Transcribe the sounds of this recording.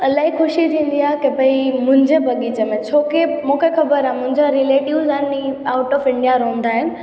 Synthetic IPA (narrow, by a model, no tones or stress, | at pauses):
ɐlaːikʊʃit̪ʰĩːn̆d̪iaːɦekebʱɐimʊ̃ɦɪ̃ɲd͡ʑebɐɠit͡ɕemẽt͡ɕʰoːkemũːkʰexɐbəɾãmʊ̃ɦɪ̃ɲd͡ʑaɾileːʈiʋzaiaːʊʈɔːfɪ̃ɳɖijaɾoũn̆d̪aːɦɪnɪ̆